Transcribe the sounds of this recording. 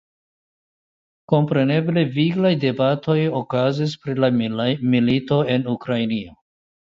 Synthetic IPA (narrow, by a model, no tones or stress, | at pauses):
ko̞mpɾe̞ne̞ble̞viɡlajde̞batʰo̞jo̞kazis̬pɾilamilito̞e̞nukɾajnio